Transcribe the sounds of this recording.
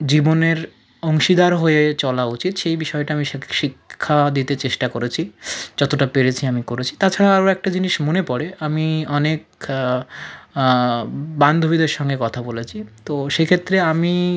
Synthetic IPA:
d͡ʑiboneɾ | ɔŋʃid̪aɾɦoet͡ɕɔlaut͡ɕit̪ʃejbiʃɔeʈaamiʃiʃikʰːad̪it̪et͡ɕeʃʈakoɾet͡ɕʰid͡ʑɔt̪oʈapeɾet͡ɕʰiamikoɾet͡ɕʰi̥t̪at͡ɕʰaɾaaɾoɛk̚ʈad͡ʑiniʃmonepɔɾeamiɔnek̚ | band̪ʱobid̪eɾʃɔŋɡekɔt̪ʰabolet͡ɕʰit̪oʃekʰet̪ːɾeami

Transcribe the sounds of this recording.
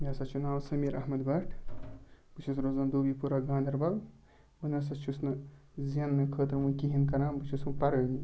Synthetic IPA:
mʲasɐt͡ʃʰunaːwsɐmiːɾʔɐɦmɐd̪bɐʈʰ | b̥ɨt͡ʃʰusɾoːzaːnd̪oːbipuɾaɡãːnd̪ɐɾbɐl | bənɐs̬ɐt͡ʃʰusnɐ | zjɐnːɐkʰəːt̪ɾmukiɦinkɐɾãːbɨt͡ʃʰusmupɐɾɐni

